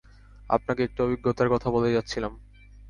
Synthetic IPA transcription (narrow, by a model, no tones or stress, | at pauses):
a̰pnakeek̚ʈuobiɡːot̪aɾkɔt̪ʰaboled͡ʑatːɕʰilam